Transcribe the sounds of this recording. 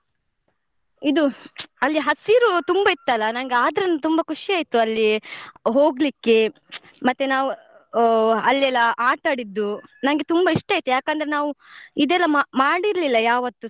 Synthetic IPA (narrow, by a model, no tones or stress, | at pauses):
id̪uɐlːiɦɐsiɾut̪umbɐit̪ːɐlːɐnɐŋɡeaːd̪ɐɾɐnːut̪umbɐkʰuʂiaːjt̪uɐlːiɦoːɡlikːe̞ | mɐt̪ːenaːʋu | ɐlːɛlːɐʔaːʈaːɽid̪ːunɐŋɡe̞t̪umbɐiʂʈaːjt̪ujaːkɐnd̪ɐɾenaːʋuid̪ɛlːɐmmaːɽiɾɐlilːɐjaːʋɐt̪ːu